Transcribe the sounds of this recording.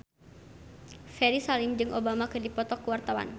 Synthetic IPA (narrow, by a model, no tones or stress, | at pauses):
fɛɾisalɪmd͡ʒɨŋʔobamakɨdipɔt̪ɔkəwart̪awa̰n